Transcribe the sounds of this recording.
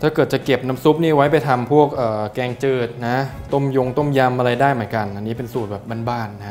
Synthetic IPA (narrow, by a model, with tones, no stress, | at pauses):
t̪ʰaː˥˩kɤː˨˩t̪̚t͡ɕa˨˩ke˨˩p̚na˦˥msu˦˥p̚niː˥˩wa˦˥jpa˧jt̪ʰa˧mpʰu˥˩ək̚ʔɤː˨˩kɛː˧ŋt͡ɕɯː˧˩t̪̚na˦˥t̪o˥˩mjo˧ŋt̪o˥˩mja˧mʔa˧ɾa˧jdaː˥˩jmɯ˩˦nka˧nʔa˧nːiː˦˥p̬e˧nsuː˨˩t̪̚bɛː˨˩p̚ba˧nbaː˧˩nːa˦˥